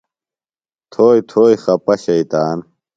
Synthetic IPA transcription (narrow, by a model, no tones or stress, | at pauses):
t̪ʰoːjt̪ʰoːjxɐpɐɕɐit̪aːn